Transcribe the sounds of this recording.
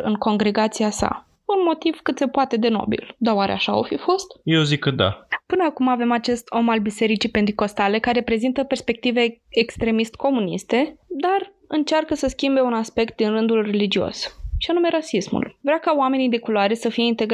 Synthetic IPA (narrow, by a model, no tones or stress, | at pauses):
ɨ̰ŋko̞ŋɡɾe̞ɡat̪siasa̰ | unmo̞t̪iv̥kɨt̪se̞poat̪e̞d̪e̞no̰bḭld̪aoaɾḛa̰ʃao̰fifo̞st̪jewzikəd̪a̰pɨnəakumave̞mat͡ʃe̞st̪ʰo̞malbise̞ɾit͡ʃipe̞nt̪̬iko̞st̪ale̞kaɾe̞pɾe̞zint̪əpe̞rspe̞k̚t̪ive̞ekst̪ɾe̞mist̪ko̞munḭst̪e̞d̪ar | ɨnt͡ʃarkəsəskʲimbe̞unaspe̞k̚t̪̚d̪inrɨnd̪ulre̞lid͡ʒio̞̰sʃianume̞ɾasismṵlvɾeakaoame̞nid̪e̞kulaɾesəfijeint̪e̞ɡ